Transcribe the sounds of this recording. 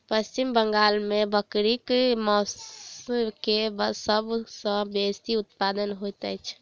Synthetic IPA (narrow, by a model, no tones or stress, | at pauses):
pəst͡ʃimbəŋɡalmebəkɾikmɔs | kebəsəbsə̃best̪iut̪̚pad̪ənɦojt̪ɛt͡ʃʰ